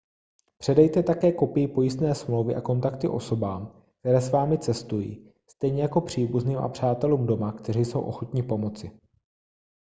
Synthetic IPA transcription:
pr̥ɛdɛjt̪ɛt̪akɛːko̞pɪjɪpo̞jɪst̪nɛːsmlowvɪʔako̞nt̪akt̪ɪʔo̞so̞baːm | k̚t̪ɛɾɛːsvaːmɪt͡sɛst̪ujḭː | st̪ɛjɲɛjako̞pr̝̥iːbuzniːmʔa̰pr̝̥aːt̪ɛluːmdo̞makt̪ɛrijso̞̰wʔo̞̰xo̞t̪ɲɪpo̞mo̞t͡sɪ

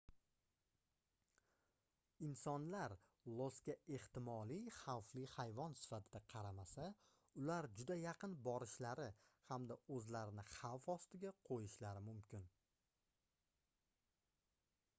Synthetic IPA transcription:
ɪnsɒnlaɾ | lˠoskʲae̞ht̪ɪmɒliχawflihajvɒnsɪ̥fat̪ʰɪd̪aqʰɑɾamasa | ʊlaɾd͡ʒʊd̪ajɑqʰɨnbɒɾɪʃlaɾɪhamd̪aɵzlaɾɪnɪχawfɒst̪ɪɡʲaqʰojɪʃlaɾɪmʊmkʲɪn

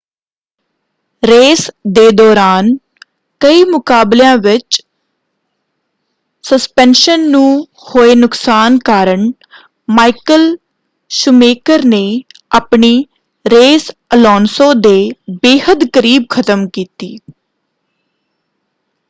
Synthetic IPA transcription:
ɾeːsd̪eːd̪ɔːɾaːn | kəiːmʊkaːbljãːʋɪt͡ʃ | səspɛ̃ːnʃənːũː | hoːeːnʊksaːnkaːɾəɳ | maːikəl | ʃʊmeːkəɾneːaːpɳiː | ɾeːsəlɔːnsõːd̪eːbeːhəd̪kəɾiːb̚kʰət̪əmkiːt̪iː

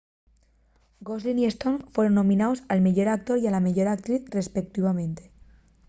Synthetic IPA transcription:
ɡozliniest̪onfwe̞ɾonːõ̞mĩnaosalmeʝo̞ɾak̚t̪o̞ɾialameʝo̞ɾak̚t̪ɾiθre̞spek̚t̪iβamẽ̞nt̪e

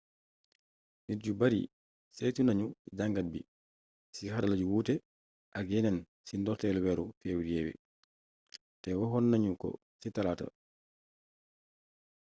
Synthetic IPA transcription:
nitd͡ʒubaɾḭ | sejtunaɲud͡ʒaŋɡat̚bi | sihaɾalad͡ʒuwuːtɛ | ʔaɡɛnɛn | sindɔɾtɛlwɛɾufewɾiɛwɛ̰ | tɛwɔɦɔnːaɲukɔ̰ | sitalata̰

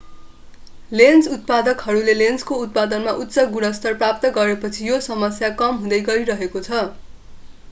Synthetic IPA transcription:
lend͡zut̪̚pad̪ʌkɦʌɾulelend͡zkout̪̚pad̪ʌnmaʔut̪ːsʌɡuɽʌst̪ʌrprap̚t̪ʌɡʌɾepʌt͡sʰijosʌmʌsjakʌmɦũd̪ʌjɡʌɾiɾʌɦekot͡sʰʌ

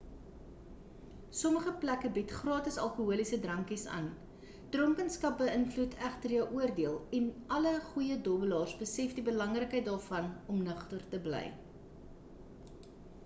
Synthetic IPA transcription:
sɔməχəplækəbitχrɑːtəsɐlˠkuɦuəlisədrɐŋkisɑ̰ːn | d̥rɔŋkənskɐp̚bəənflutʰæχtərjəwʔuərdiəlˠɛnʔɐləχujədɔbəlɑːrsbəsɛfdibəlɐŋrəkɦəjt̚dɑːrfɐnɔmnəχtərtəblɛ̰j

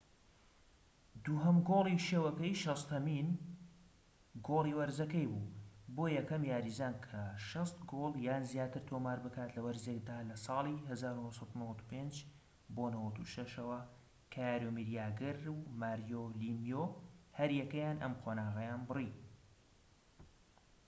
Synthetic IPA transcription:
d̪uːɦɐmɡoːlˠiʃeːwɐkɐjʃɐst̪ʰɐmin | ɡoːlˠiːwɐɾzɐkɐjbuːboːjɛkɐmjaːɾizankʰɐʃɐst̪ɡoːlˠjaːnzjaːt̪ɨɾt̪ʰomaːɾbɨkaːt̪lɐwɐɾzek̚d̪aːlɐsˤɑːlˠiɦɐzaːɾunosˤɑt̪unɐwɐt̪u̥pend͡ʒ | boːnɨwɐt̪uʃɐʃɐwɐ | kʰajaːɾomiɾijaːɡɨɾmaːɾjolimijohɐɾjɛkɐjaːnʔɐ̰mqʰonaːɣɐjaːnbɨri

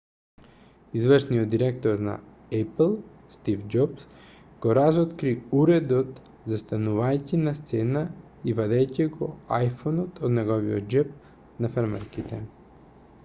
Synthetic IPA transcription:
izvərʃnijod̪̚ːiɾɛkt̪oɾna̰ | ɛplˠ | st̪ifd͡ʒɔps | ɡ̥oɾazɔt̪kɾiuɾɛd̪ot̪ | zast̪anuvajcinast̪sɛna | ivad̪ɛjciɡɔ̰ajfɔnɔt̪ʰod̪nɛɡɔviɔt̪̚d͡ʒɛp̚ | nafaɾmɛ̰ɾkit̪ɛ

